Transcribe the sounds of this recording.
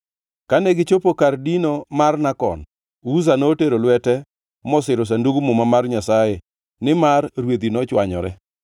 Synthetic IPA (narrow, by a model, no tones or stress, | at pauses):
kanɛɡɪt͡ʃopokardinomarnakɔ̰n | uzanoːteɾolwɛtɛ | mɔsɪɾʊs̬anduɡmʊmamarɲasaje | nɪmarɾwed̪inɔt͡ʃwaɲɔ̰ɾɛ̰